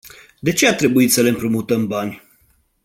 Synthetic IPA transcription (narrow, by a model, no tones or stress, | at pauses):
d̪e̞t͡ʃe̞at̪ɾe̞buit̪səle̞ɨmpɾumut̪əmbanʲ